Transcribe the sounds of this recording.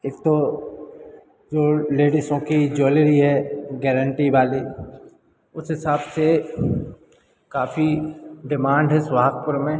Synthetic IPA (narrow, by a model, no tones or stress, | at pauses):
eːk̚t̪o | d͡ʒoːleːɖisõkid͡ʒoːleɾiɦɛɡɛːɾəɳʈiʋaːli | ʊsɦɪsaːbse | kaːfiɖɪmãːɳɖɦɛsʋaːɦək̚pʊɾmẽ